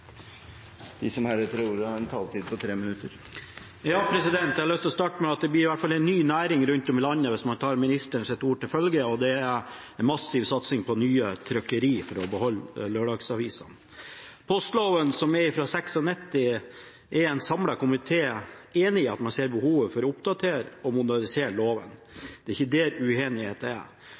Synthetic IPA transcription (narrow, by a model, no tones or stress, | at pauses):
d̪̥ɪsɔmhæɾət̪ʰɾuːɾɾɛnt̪ʰɑlt̪ʰiːd̪pʰɔt̪ʰɾeːmɪnʉt̪əɾ | jɑːpʰɾɛsɪd̪ɛnt̪ɛæhɑɭœst̪lɔst̪ɑːʈəmɛɑt̪̚d̪ɛblɪːɾɪʋæʈːfɑlɛɪnːyːnæːɾɪŋɾʉnt̪ɔmlɑnːəʋɪsmɑnt̪ʰɑːɾmɪnɪst̪əɳʂɛt̪ːuːʈɪlfœlɡəɔd̪ɛæɾ | ɛnmɑsːɪʋsɑt̪sɪŋpʰɔnyːət̪ʰɾœkəɾiːfɔɾɔbəhɔlːløːɖɑɡsɑʋiːsɑ̰n | pʰɔst̪loːʋənsɔmɛɾɪfɾɑsɛksɔnɛt̪ːɪ | ʔɛɾɛɪnsɑmlɑkʊmɪt̪ʰeːeːnɪːɑt̪mɑnseːɾbəhuːʋəfɔɾɔʊpd̪ɑt̪ʰeːɾɔmʊd̪əɳɪseːɾloːʋə̰nd̪̥ɛɪçːəd̪eːɾʉeːnɪheːt̪əɛ̰